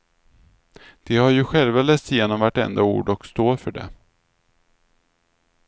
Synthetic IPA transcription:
d̪̥ɛhaɾjɵɧɛlvalɛːst̪jeːnɔmvaʈːɛ̰nd̪aṵːɖɔkst̪oːɾfœɖɛ̰

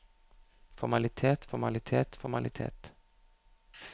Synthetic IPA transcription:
fɔɾmɑlɪt̪ʰeːt̪fɔɾmɑlɪt̪ʰeːt̪fɔmɑ̰lʔɪt̪ʰḛːt̪

